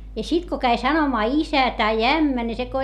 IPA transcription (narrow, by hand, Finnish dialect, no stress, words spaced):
jɑ sit ko kæi sɑnomɑː isæ tɑi æmːæ ni se ko